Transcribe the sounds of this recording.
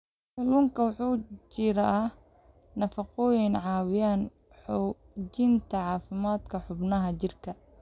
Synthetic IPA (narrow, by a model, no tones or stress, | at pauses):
sɐluːŋkʰɐwħuːt͡ʃɪɾɐɐh | nɐfɐqɔːjɪnʕɑːwɪjaːn | ħɔ | d͡ʒɪnt̪ʰɐʕɑːfɪmaːd̪kʰɐħʊbnɐɦɐt͡ʃɪrkʰɐ